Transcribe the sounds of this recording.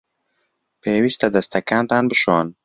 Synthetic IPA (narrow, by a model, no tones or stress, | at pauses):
peːwist̪ɐd̪ɐst̪ɐkant̪anbɨʃɔːn